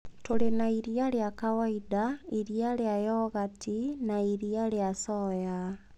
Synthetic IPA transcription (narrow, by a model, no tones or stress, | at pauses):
tolenaiɾiaɾjakawaidaiɾiaɾjajɔɣatinaiɾiaɾeasɔja